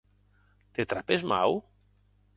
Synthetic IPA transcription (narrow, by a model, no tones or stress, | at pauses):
t̪et̪ɾapezma̰w